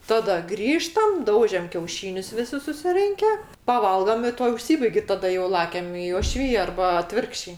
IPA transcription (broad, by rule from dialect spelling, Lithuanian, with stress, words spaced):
ˈtɑːdɐ ˈɡrʲiːʃtɐm ˈdɐʊʒʲɛm kʲɛʊˈʃʲiːnʲʊs ʋʲɪˈsʲɪ sʊsʲɪˈrʲɪŋʲkʲɛ pɐˈʋɐlˠɡɐm ɪ ˈtuɔ ʊʃʲˈsʲiːbɐɪkʲ ɪ tɐˈdɐ joː ˈlˠɑːkʲɛm ɪ oːˈʃʲʋʲɪjɛ ˈɐrbɐ ɐˈtʲʋʲɪrkʃʲt͡ʃʲɛɪ